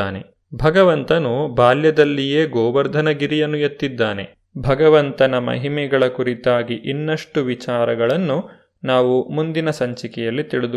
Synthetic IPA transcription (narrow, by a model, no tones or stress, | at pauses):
aːne̞̰ | bʱɐɡɐʋɐnt̪ɐnubaːljɐd̪ɐlːijeːɡɔːʋɐɾd̪ʱɐnɐɡiɾijɐnːujet̪ːid̪ːaːne̞̰ | bʱɐɡɐʋɐnt̪ɐnɐmɐ̰ɦimɛɡɐɭɐkuɾit̪aːɡiʔinːɐʂʈuʋit͡ʃaːɾɐɡɐɭɐnːu | naːʋumund̪inɐsɐɲt͡ʃikɛjɐlːit̪iɭid̪u